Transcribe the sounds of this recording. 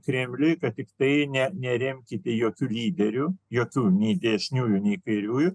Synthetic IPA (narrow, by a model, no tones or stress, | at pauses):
kɾʲɛmʲlʲʊjkɐt̪̚tʲɪkt̪ɐɪnʲɛnʲɛɾʲɛmʲkʲɪt̪ʲɛjoːkʲuːlʲiːd̪ʲɛɾʲʊjoːkʲuːnʲɛɪd̪ʲɛʃʲnʲuːjʊnʲɛɪkɐɪɾʲuːjʊ